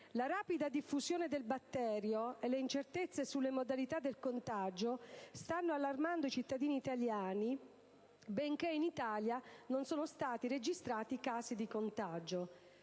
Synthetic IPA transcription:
laɾaːpid̪ad̪ifːuzjoːned̪elbat̪ːɛːɾjoelːeint͡ʃert̪et̪sːesulːemod̪alit̪ad̪ːelkont̪ad͡ʒost̪anːoalːarmand̪oit͡ʃit̪ːad̪iːniːt̪aljaːni | bɛŋkeinit̪aːljanonsoːnost̪aːt̪ired͡ʒist̪ɾaːt̪ikaːsid̪ikont̪ad͡ʒo

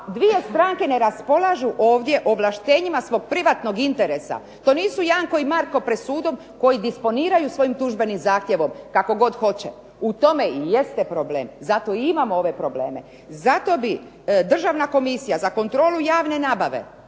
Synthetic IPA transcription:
d̪ʋie̞st̪ɾaːŋke̞ne̞ɾaspo̞lˠaʒuʔo̞ːʋd̪je̞ʔo̞ʋlˠaʃt̪e̞ːɲimasʋo̞ɡ̚pɾiʋat̪no̞ɡint̪eɾesa̰ | t̪o̞ːniːsujaːŋko̞imaɾko̞pɾed̪suːd̪o̞m | ko̞jid̪ispo̞niːɾajusʋo̞jimt̪uʒbe̞nimzaːxt̪je̞ʋo̞mkako̞ɡo̞d̪xo̞t͡ɕe | ut̪o̞me̞ije̞st̪epɾo̞ble̞ːmzat̪o̞iimamoo̞ʋe̞pɾo̞ble̞̰ːme | zat̪o̞bi | d̪r̩ʒaʋnako̞misijazako̞nt̪ɾo̞ːlujaːʋne̞naːbaʋe̞̰

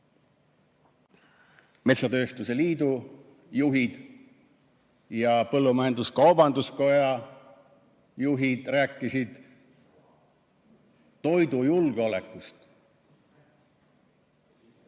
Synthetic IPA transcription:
me̞t̪sɑt̪ø̞ːst̪use̞liːd̪u | juɦid̪̥ | jɑpɤlːumɑjend̪uskɑwbɑnd̪usko̞jɑ | juɦid̪̥ræːkːˑisid̪̥ | o̞jd̪ujulɡ̥eo̞le̞kːˑust̪

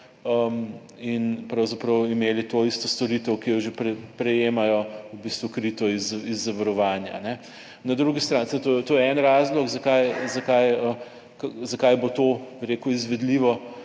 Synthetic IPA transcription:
əm | inpɾawzapɾɐwimeːlit̪oist̪ɔst̪ɔɾit̪əwkijɔʒepɾɛpɾɛjeːmajɔwbist̪ʋukɾit̪ɔizizːɐʋɐɾɔʋaːnja̰nɛ | nad̪ɾuɡist̪ɾansɛt̪ojɛt̪oːjɛɛnɾaːzlɔkzɐkajzɐkajə | kazɐkajbot̪obiɾekuizʋɛd̪liʋɔ

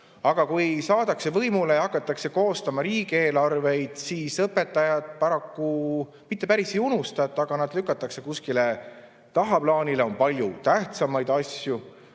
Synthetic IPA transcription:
ɑɡ̥ɑkujsɑːd̪̥ɑkse̞vɤjmule̞jɑɑkːˑɑt̪ːˑɑkse̞ko̞ːst̪ɑmɑɾiːɡ̥e̞ːlɑrve̞jd̪̥siːsɤpːe̞t̪ːˑɑjɑd̪̥̚pɑɾɑkːu | mit̪ːˑe̞pæɾisejunust̪ɑt̪ːˑɑɡ̥ɑnɑd̪lykːˑɑt̪ːˑɑkse̞kuskile̞ | t̪ɑɦɑplɑːnile̞o̞npɑlʲjut̪æht̪sɑmɑjd̪̥ɑsʲju

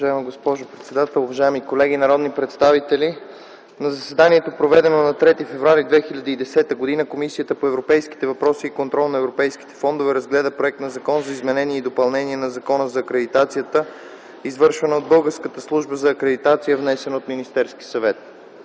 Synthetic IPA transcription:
ovɐʒaɛmiɡospɔʒopɾɛt̪sɛd̪at̪ɛlˠʊvɐʒaɛmikolɛɡ̟inɐɾɔd̪nipɾɛt̪st̪avit̪ɛli | nɐzɐsɛd̪aniɛt̪opɾovɛd̪ɛnonɐt̪ɾɛt̪ifɛvɾuaɾid̪vɛxilʲɐd̪iːd̪ɛsɛt̪əɡod̪inəkomisijət̪əpoɛvɾopɛjsk̟i̥t̪ɛvɐpɾɔsiːkont̪ɾɔlˠnɐɛvɾopɛjski̥t̪ɛ̥fɔnd̪ovɛɾɐzɡlɛd̪əpɾoɛk̚t̪nɐzɐkɔnzɐizmɛnɛniɛid̪opɐlˠnɛniɛnɐzɐkɔnəzɐːkɾɛd̪it̪at̪sijət̪ə | izvɤɾʃvɐnəod̪̚bɤlˠɡəɾskət̪əslˠuʒbəzɐːkɾɛd̪it̪at̪sijəvnɛsɛnot̪minist̪ɛɾsk̟i̥sɐvɛt̪

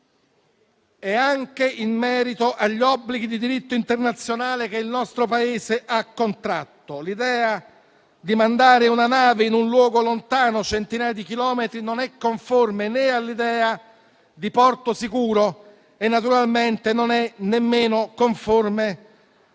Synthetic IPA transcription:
ɛaŋkeʔimmːɛːɾit̪oʔaʎːɔbːliɡid̪id̪iɾit̪ːoint̪ernat̪sːjonaːlek̟eilnɔst̪ɾopaeːzeʔakːont̪ɾat̪ːolid̪ɛːa | d̪imand̪aːɾeunanaːveinunlwɔːɡolont̪aːnot͡ʃent̪inaːjad̪ikilɔːmet̪ɾinonɛkːoɱformenealːid̪ɛːa | d̪ipɔrt̪osikuːɾo | enːat̪uɾalment̪enonɛnemːeːnokoɱforme

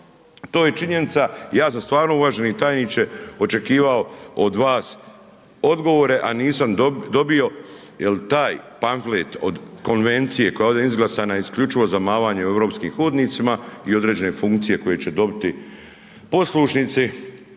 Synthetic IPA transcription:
t̪o̞ːje̞t͡ʃiɲe̞nit̪saijaːsamst̪ʋaːɾno̞uʋaːʒenit̪aːjnit͡ʃeo̞t͡ʃe̞kiːʋao̞od̪ʋaːs | o̞d̪ɡo̞ʋoːɾe̞ʔaniːsamd̪o̞bijo̞ | jelt̪aːjpanflet̪o̰d̪ko̞nʋe̞nt̪sije̞ko̞jaoːd̪eizɡlasaːnaiskʎut͡ʃiʋo̞zamaːʋaːɲeue̞ʋɾo̞ːpskiːmxuːd̪nit̪simaio̞d̪ɾe̞ːd͡ʑe̞ne̞fuŋkt̪sije̞ko̞je̞t͡ɕe̞d̪o̞bit̪i | po̞slˠuʃnit̪si

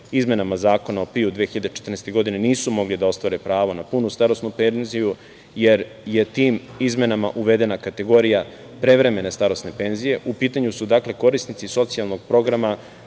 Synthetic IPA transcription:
izme̞namazaːko̞nao̞piud̪ʋeexiʎad̪et͡ʃe̥t̪ɾrnest̪e̞ɡo̞d̪ineniːsumo̞ɡlid̪ao̞st̪ʋaɾe̞pɾaːʋonapunust̪aɾosnupenziju | je̞ɾ | je̞t̪iːm | izme̞nama̰ʔuʋed̪e̞nakat̪e̞ɡo̞ɾija | pɾe̞ʋɾe̞me̞ne̞st̪aɾo̞sne̞pe̞nzije̞ʔupiːt̪aɲusud̪akle̞ko̞ɾisnit̪siso̞t̪sialˠno̞ɡ̚pɾo̞ɡɾama

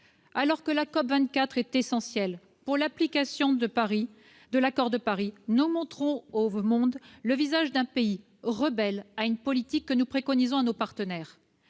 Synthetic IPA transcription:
alɔʁkəlakɔpvɛ̃t̪̚kʲat̪χɛt̪esɑ̃sjɛl | puʁlaplikasjɔ̃d̪əpaʁi | d̪əlakɔʁd̪əpaʁinumɔ̃t̪χɔ̃omɔ̃d̪ləvizaʒd̪ɛ̃pei | ʁəbɛlaynpɔlit̪ikːənupχekɔnizɔ̃anopaʁt̪ənɛːʁ

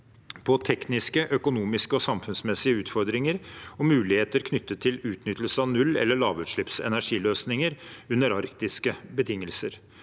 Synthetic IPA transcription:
pʰɔt̪ʰɛknɪskəʔœkʊnuːmɪskəɔsɑmfʉnsmɛsɪəʉːt̪fɔɾd̪ɾɪŋəɾɔmʉːlɪheːt̪əɾkʰnʏt̪ːət̪ʰːɪlʉːt̪nʏt̪ːəlsəɑʋnʉlːɛ̰lːəɭɑːʋʉt̪ʂɭɪpsɛ̰næʂiːløːsnɪŋəɾʉnːəɾɑɾkt̪ɪskəbət̪ʰɪŋːəlsəɾ

